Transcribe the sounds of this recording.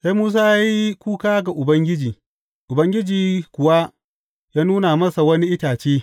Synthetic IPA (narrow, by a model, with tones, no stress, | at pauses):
se˦muː˦s̬aː˦ja˦ji˦kʷuː˦kaː˦ɡa˨ʔʊ˨bɐ˦ŋɡʲɪ˦d͡ʒiː˨ | ʔʊ˨bɐ˦ŋɡʲɪ˦d͡ʒiː˨kʷʊ˨wa˦ | jaː˦nuː˦na˨mɐ˦sa˨wɐ˦ni˦ʔɪ˦taː˨t͡ʃeː˦